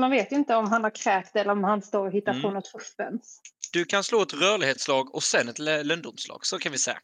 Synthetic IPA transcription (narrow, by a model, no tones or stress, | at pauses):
manveːt̪jɵɪnt̪əɔmɦanhaɾkʰɾɛːkt̪ɛlːəɾɔmhanst̪oːɾɔɦɪt̪ːaɾpʰonɔt̪ʰfɵfːɛ̰nsd̪̥ɵkʰansloːɛt̪ɾœːɭɪɡheːt̪slɑːɡɔsɛnːɛt̪lœnd̪ʊmslɑ̰ːɡ̥sɔkʰanvɪsɛ̰ːa̰